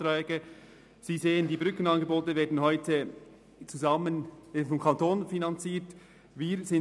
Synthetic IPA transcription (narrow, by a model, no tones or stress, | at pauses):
tɾɛːɡə | z̥iːzeːəndiːbʁʏkən̩ɑnɡeboːtəveːɐdn̩hɔʏtʰə | t͡suzɑmənfɔmkʰɑntʰoːnfinɑnt͡siːt | viːɾzɪn